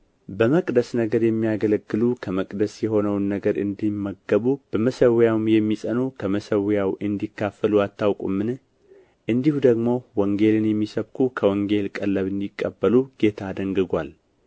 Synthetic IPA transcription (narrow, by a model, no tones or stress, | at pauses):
bəməkʼd̪əsnəɡəɾjɛmːijaɡələɡːɨlukʰəməkʼd̪əsjɛho̞nəwnːəɡəɾɨnd̪imːəɡːəβub̥əməsəwjawmjɛmːisʼənukʰəməsəwjawʔɨnd̪ikːafəluat̪ːawkʼṵmːɨn | ʔɨnd̪ihud̪əɡmo̞wɔŋɡe̞lɨnjɛmːisəβkʰukʰəwɔŋɡe̞lkʼəlːəβɨnd̪ikʼːəbːəluɡ̥e̞t̪ʰaːd̪əŋɡɨɡʷal